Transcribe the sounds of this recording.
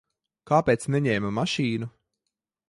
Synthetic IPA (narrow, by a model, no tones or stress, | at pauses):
kaːpʲeːt̪snɛɲɛːmamaʃiːnu